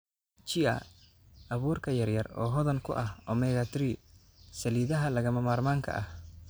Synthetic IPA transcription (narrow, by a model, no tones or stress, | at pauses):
t͡ʃɪɐ̰ | ɐβuːrkʰɐjɐrjɐrɔ̰ːɦɔðɐŋkʰʊ̰ʔɐhɔmɛɣat̪ʰɾi | sɐliːðɐɦɐlɐɣɐmɐmaːrmaːŋkʰɐ̰ʔɐh